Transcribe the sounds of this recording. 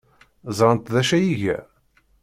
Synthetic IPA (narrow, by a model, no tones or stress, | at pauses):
zˤɾˤənt̪ðæʃæjiʝæ̰